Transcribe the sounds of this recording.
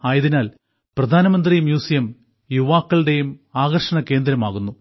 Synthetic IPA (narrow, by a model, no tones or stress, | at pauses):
aːjɐðinaːl | prɐd̪ʱaːnɐmɐnd̪rijmjuːsijɐm | juʋaːkːɐɭɽe̞jumaːɣɐrʂɐɳɐke̞ːnd̪ɾɐmaːɣunːu